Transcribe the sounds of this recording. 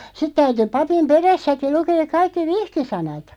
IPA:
sit tæyty pɑpim peræsːæki lukeːk kɑikːi ʋihkisɑnɑt

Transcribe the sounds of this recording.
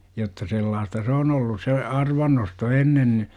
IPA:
jotːɑ selːɑːstɑ s oːn olːus se ɑrʋɑnːosto enːen ni

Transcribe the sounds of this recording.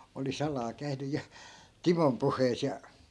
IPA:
oli sɑlɑː kæy̞ny jɑ timom puhˑeis jɑ

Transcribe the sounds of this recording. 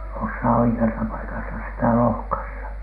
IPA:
osːɑː oikeɑsɑ pɑikɑsɑ sitæ lohkɑsːɑ

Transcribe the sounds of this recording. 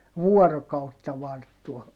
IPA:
ʋuɔrokɑutːɑ ʋɑrtːuɑ

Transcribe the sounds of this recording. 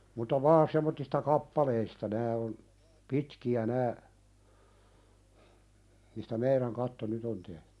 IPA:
mutɑ ʋɑːn semˑotːistɑ kɑpːɑleistɑ næː on pitkiæ næː mistæ meiɾæŋ kɑtːo nyt on tehtẙ

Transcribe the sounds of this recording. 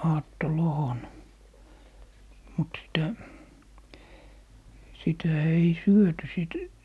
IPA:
ɑːtːolohon mut sitæ sitæ ei syøty siˑt

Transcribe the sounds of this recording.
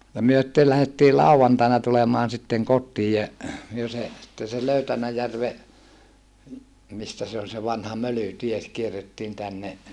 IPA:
jɑ myø sĭtːel læhetːiː lɑˑuʋɑntɑinɑ tulemɑːn sitːeŋ kotːiːj jæ myø se sitːen̞ se løytænæjærʋe mistæ se on ʋɑnhɑ mølytie kierːetːiːn tænːe

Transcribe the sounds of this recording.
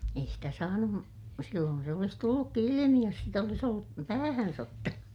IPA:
ei sitæ sɑːnum silːoːn se olis tulːukːi ilimi jos sit olis olːu pæːhæns otːɑnu

